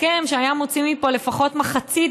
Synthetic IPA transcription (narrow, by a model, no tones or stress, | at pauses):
kemʃeajamot͡simipo̞le̞faχo̞tmaχat͡sid